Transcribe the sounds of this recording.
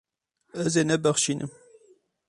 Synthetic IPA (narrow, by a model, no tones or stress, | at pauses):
ɐzenɐbɐχʃinʔɨ̰m